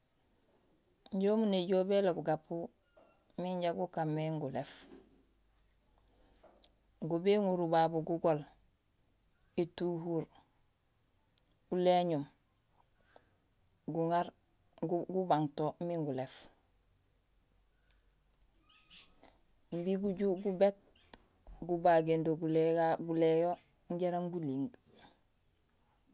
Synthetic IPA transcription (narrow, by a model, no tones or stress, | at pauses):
ɲɟomuneɟobelobɡapu | miɲɟaɡukamːeŋɡulef | ŋɡubeŋuɾubabuɡuɡol | etuːɦuɾ | uleɲum | ɡuŋaɾ | ɡubaŋtomiŋɡulef | mbiɡuɟuɡubet̚ | ɡubaɡendoɡuleɡaɡulejo | ɲɟeɾamɡuliŋɡ